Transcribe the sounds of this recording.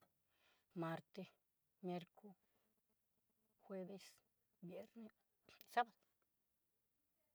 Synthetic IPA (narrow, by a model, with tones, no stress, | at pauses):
ma˧ɾt̪e˧ | mje˦ɾkʰo˦ | xwe˦be˧s | bje˨˦ɾne˦ | sa˦ba˨d̪o˨